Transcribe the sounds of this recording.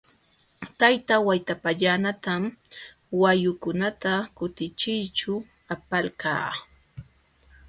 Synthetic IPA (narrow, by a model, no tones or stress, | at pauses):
t̪ajt̪awajt̪apaʎanat̪am | wajʊkʊnat̪akʊt̪ɪt͡ʃɪjt͡ʃʊ | apalka̰ː